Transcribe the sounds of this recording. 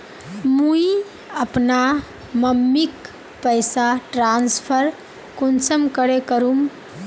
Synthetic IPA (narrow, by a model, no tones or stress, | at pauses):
mui | əpna | məmːik | pəɪsaʈɾanspʰəɾ | konsəmkəɾekəɾum